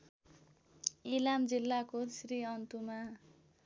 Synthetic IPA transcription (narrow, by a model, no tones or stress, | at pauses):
ilamd͡zilːakosriʌnt̪uma